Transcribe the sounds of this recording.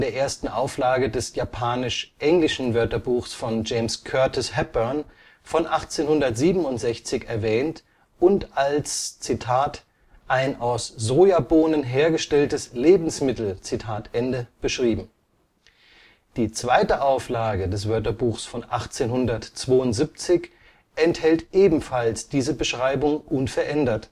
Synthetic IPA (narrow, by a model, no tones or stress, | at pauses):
deːɐʔeːɐstn̩ʔa̰ʊflaːɡədɛsjapʰaːnɪʃʔɛŋlɪʃn̩vœɐtɐbuːxsfɔnd͡ʒeɪmskʰœɐtʰɪshɛb̥œɐn | fɔnʔaχt͡seːnhʊndɐtz̥iːbm̩ʊntz̥ɛçt͡sɪçɛɐvɛːnt | ʔʊntʔalst͡sitʰaːt | ʔaɪnaʊszoːjaboːnənɦeːɐɡəʃtɛltəsleːbm̩smɪtl̩t͡sitʰaːtʔɛndəb̥əʃʁ̥iːbm̩ | d̥iːt͡sv̥aɪtəʔaʊflaːɡədɛs̬v̥œɐtɐbuːxsfɔnʔa̰χt͡seːnhʊndɐtt͡sv̥oːʊntz̥ip̚t͡sɪç | ʔɛnthɛltʔeːbm̩falsd̥iːzəbəʃʁ̥aɪbʊŋʔʊnfɛɐʔɛndɐt